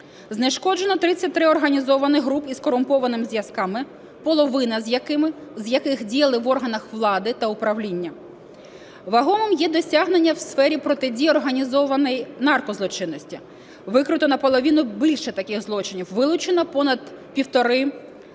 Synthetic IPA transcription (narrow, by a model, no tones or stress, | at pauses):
zneʃkɔd͡ʒenɔt̪ɾɪt͡sʲːɐt̚ʲt̪ɾɪɔrɦɐnʲizɔʋɐnɪxɦɾupizkɔɾʊmpɔʋɐnɪmɪzʲjɐskɑmɪ | pɔlˠɔʋɪnɐzjɐkzʲjɐkɪxdʲijɐlˠɪʋɔrɦɐnɐxʋlˠɑd̪ɪt̪ɐʊpɾɐʋlʲinʲːɐ | ʋɐɦɔmɪmjɛd̪ɔsʲɑɦnenʲːɐwsfɛɾʲipɾɔt̪ɪdʲijɔrɦɐnʲizɔʋɐnɛjnɑrkɔzlˠɔt͡ʃɪnːɔsʲtʲi | ʋɪkɾɪt̪ɔnɐpɔlˠɔʋʲinʊbilʲʃɛt̪ɐkɪɣzlˠɔt͡ʃɪnʲiwʋɪlˠʊt͡ʃɪnɐpɔnɐd̪ | pʲiwt̪ɔɾɪ